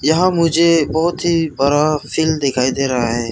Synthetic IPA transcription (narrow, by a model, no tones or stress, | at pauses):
jɐɦãmʊd͡ʒʱebɔɦʊt̪ɦibɐɾafʰiːld̪ɪkʰaːid̪eːɾɐɦaɦɛː